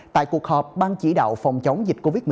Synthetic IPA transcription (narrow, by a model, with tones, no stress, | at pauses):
t̪a̰ː˧˨jku˨˩ək̚hɔː˨˩p̚ɓaː˧nt͡ɕi˧˩ɗa̰ː˧˨wfɔ˨˩wŋ͡mt͡ɕə˨˦wŋ͡mzi˨˩k̟̚ko˧vi˦˥t̚m˨˩˨